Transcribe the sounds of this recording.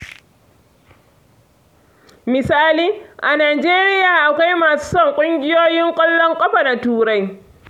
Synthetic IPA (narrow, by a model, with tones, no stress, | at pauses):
mɪ˨saː˦liː˦ʔa˨naː˨d͡ʒeː˦ɾɪ˦jaː˨ʔa˨kʷa˦jmaː˨su̥ː˦sɔ˦ŋkʷʼʊ˦ŋɡʲɪ˦joː˦jɪ˦ŋkʷʼɔ˦lːɔ˦ŋkʷʼɐ˦ɸa˨na˨tuː˦ɾa˦j